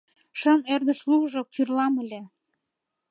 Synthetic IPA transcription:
ʃəmerd̪əʃluɣʒokyrlɑməle

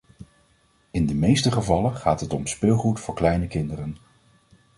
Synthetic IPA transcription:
ɪndəmejstəχəvɑlənχaːtɦətɔmspɪːlˠχutfʊːɹklɛjnəkɪndərən

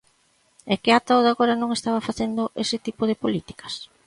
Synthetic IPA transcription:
ɛkɪat̪aðaɣoɾɐnõŋest̪aβɐfaθend̪oʔesɪt̪ipoðɪpolit̪i̥kɐ̥s

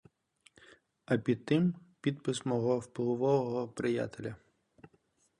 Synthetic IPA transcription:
ɐpʲid̪̚t̪ɪmpʲid̪pɪsmɔɦɔwplʊʋɔʋɔɦɔpɾɪja̰t̪elʲɐ

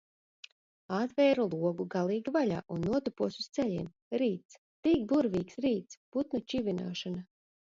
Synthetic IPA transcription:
at̪vɛːɾulˠuɔɡuɡalˠiːɡivalʲa̰ːʔunːuɔt̪ɔpuɔsust̪sɛʎḭːm | ɾiːt̪s | t̪ik̚buɾvʲiːksɾiːt̪sput̪nut͡ʃivʲina̰ːʃana

